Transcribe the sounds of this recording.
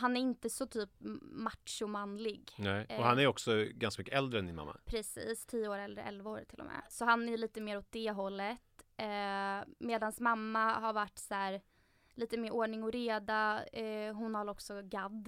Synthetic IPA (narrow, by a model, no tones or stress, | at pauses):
ɦanæɾɪnt̪əsɔt̪ʰyːpmaʈʂʊmanlɪɡnɛɔɦanæɾjɔksɔɡanskamʏkːəɛld̪ɾəɛnd̪ɪnma̰mːa̰pʰɾɛsḭːst̪ʰiːəoːɾɛlːə̰ɾɛ̰lvaoːɾt̪ʰːɪlɔ̰mɛ̰ːsɔɦanæɾjliːt̪əmeːɾɔt̪̚d̪ɛɦɔlːət̪ː | meːd̪ansmamːahaɾvaʈːsæːɾ | liːt̪əmeːɾoːɳɪŋɔɾeːd̪a | ɦʊnhaɾɔksɔɡad̪